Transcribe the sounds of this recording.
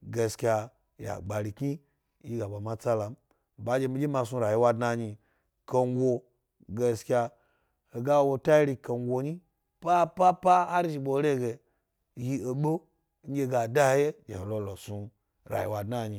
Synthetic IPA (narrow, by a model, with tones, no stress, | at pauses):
ɡe˧skʲa˧ | ja̰˨ɡ͡ba˨ɾi˨ki˦ | ji˦ɡa˨ba˨ma˦t͡sa˦la˨m̩˨ | ba˦d͡ʒe˧mi˧d͡ʒʲi˦ma˧su˧ɾa˨ji˧˦wa˧dna˧ɲi˧ | kə˧ŋ˦ɡʷo˧ | ɡe˧skʲa˧ | he˨ɡa˦wwo˧ta˦i˦ɾi˧ke˧ŋ˦ɡʷo˧ɲi˦ | pa˦pa˦pa˦ha˦ɾi˦ʒi˧ɓo˧˦ɾe˦˨ɡe˨ | ji˧o˨ɓo˦ | ŋ̩˦ɡʲe˧ɡa˨da˦je˦d͡ʒḛ˨ho˨lo˧lo˨su˧ | ɾa̰˨jḭ˨wa˧dna˦˨ɲi˧